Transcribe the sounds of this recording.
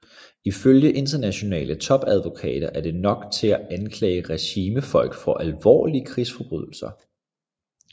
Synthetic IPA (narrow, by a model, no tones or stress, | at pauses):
iføljəʔe̝nd̥ɐnæɕo̝nɛ̰ːlʔət͡sʰɒ̽b̥æð̞ˠʋo̝kʰɛ̰ːɾ̥ɐʔæɐd̥e̝nɒ̽ɡ̥t͡sʰe̝læænkʰlɛ̰ːɪəʁɛɕiːməfɒ̽l̰ɡ̥fɒ̽ʔælʋɒ̰ːliəkʰʁisfɒ̽b̥ʁy̰ð̞̰ˠl̩sɐ